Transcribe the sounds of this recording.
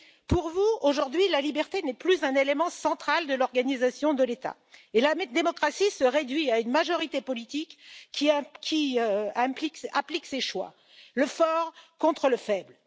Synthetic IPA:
puʁvuoʒuʁd̪ɥilalibɛʁt̪enɛplyzɛ̃nelemɑ̃sɑ̃t̪χald̪əlɔʁɡanizasjɔ̃d̪əlet̪a̰ | elad̪emɔkχasisəʁed̪ɥiaynmaʒɔʁit̪epɔlit̪ikːikʰʲiɛ̃plikɛ̰̃plikseʃwa̰ | ləfɔʁkɔ̃t̪χələfɛbl

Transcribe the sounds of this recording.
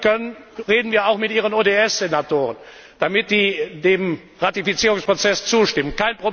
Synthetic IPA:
kʰœnənʁeːdn̩viːɐaʊxmɪtʔiːʁ̞ənoːdeɛsz̥enatoːʁən | d̥amɪtz̥iːdeːm | ʁatifit͡siːʁʊŋspʁ̥ot͡sɛst͡suːʃtɪmənkaɪnpʁ̥o

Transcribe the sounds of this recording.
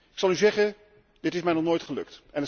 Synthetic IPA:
ɪksɑlˠyzɛχən | dɪtɪsmɛjnɔχnoːjtχəlɵ̰ktɛnə

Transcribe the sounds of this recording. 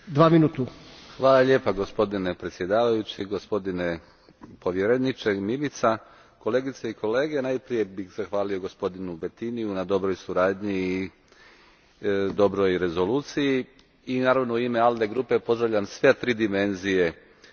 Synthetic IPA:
d̪ʋaːminuːt̪uxʋaːlaʎeːpaɡo̞spo̞d̪ine̞pɾet̪sje̞d̪aːʋajut͡ɕiɡo̞spo̞d̪ine̞ | po̞ʋjeɾenit͡ʃemilit̪sa | ko̞le̞ːɡit̪seiko̞le̞ːɡe̞najpɾije̞bixz̥axʋaːlijo̞ɡo̞spo̞d̪inubet̪inijunad̪o̞bɾo̞jsuɾaːd̪ɲiː | d̪o̞bɾojɾe̞zo̞luːt̪siji | inaːɾaʋnouimeald̪e̞ɡɾuːpe̞po̞zd̪ɾaʋʎʲamsʋe̞t̪ɾiːd̪ime̞nzije̞

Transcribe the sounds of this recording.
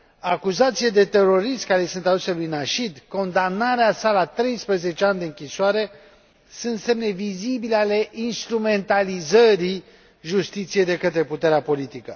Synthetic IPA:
akuzat̪siled̪e̞t̪e̞ɾo̞ɾiʃt̪kaɾe̞sunt̪ad̪uselujnaʃid̪ko̞nd̪amnaɾeasalat̪ɾe̞jspɾəze̞t͡ʃeand̪eɨŋkʲisoaɾe̞ | sunt̪se̞mne̞vizibileale̞ʔinst̪ɾume̞nt̪alizəɾi | ʒust̪it̪sijejd̪e̞kət̪ɾe̞put̪eɾeapo̞lit̪ikə

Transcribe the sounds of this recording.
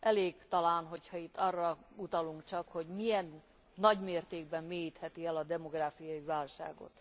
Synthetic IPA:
ʔɛleːɡt̪ɒlaːnɦo̞chɒit̪ːɒrːɒut̪ɒluŋkt͡ʃɒkho̞ɟmijɛnː | ɒɟmeːrt̪eːɡ̚bɛmmeːjit̪hɛt̪iɛlɒd̪ɛmo̞ɡraːfijɒivaːlʃa̰ːɡo̰t̪

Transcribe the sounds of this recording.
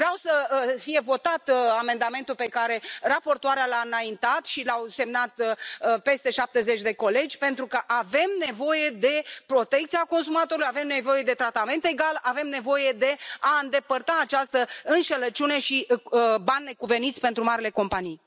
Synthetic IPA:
vɾeawsəfije̞vo̞t̪at̪ame̞nd̪ame̞nt̪ulpe̞kaɾe̞rapo̞rt̪oaɾealaɨnaint̪at̪ʃilawse̞mnat̪pe̞st̪e̞ʃap̚t̪e̞zet͡ʃʲd̪e̞ko̞le̞d͡ʒʲpe̞nt̪ɾukəʔave̞mne̞vo̞je̞d̪e̞pɾo̞t̪e̞kt̪siako̞nsumat̪oɾulujave̞mne̞vo̞je̞d̪e̞t̪ɾat̪ame̞nt̪eɡalʔave̞mne̞vo̞je̞d̪e̞aɨnd̪e̞pərt̪aːt͡ʃast̪əɨnʃelət͡ʃune̞ʃibanʲlekuve̞nit̪sʲpe̞nt̪ɾumaɾile̞ko̞mpanij

